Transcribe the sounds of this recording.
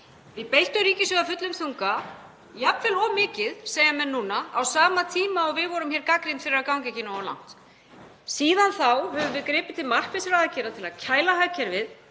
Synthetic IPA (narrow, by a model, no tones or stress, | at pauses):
vɪðpejt̪ʏɾiːcɪsɛɣafʏt̪lʏmθuŋka | japvɪlɔmɪːcɪðseːjamɛnːuːnaa̰wsaːmat̪ʰiːmaɔɣvɪðvɔɾʏmçɛɾkakɾinfɪɾɪɾaðkawŋcɛcɪnaɔla̰wŋ̥t̪ | siːðanθawhœvʏvɪðkɾɪːpɪt̪ʰɪlmar̥pvɪsɾaaːcʰɛɾat̪ʰɪlaðcʰaːjlaɦajcʰɛɾvɪð